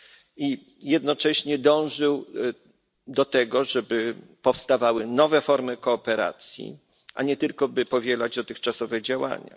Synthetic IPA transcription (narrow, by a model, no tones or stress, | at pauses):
i | jɛd̪̚nɔt͡ʂɛɕɲɛd̪ɔ̃w̃ʐɘw | d̪ɔt̪ɛɡɔʐɛbɘpɔfst̪avawɘnɔvɛfɔɾmɘkɔːpɛɾa̰t̪sʲjḭ | ʔaɲɛt̪ɘlkɔbɘpɔvʲjɛlad͡ʑd̪ɔt̪ɘxt͡ʂasɔvɛd͡ʑawa̰ɲa̰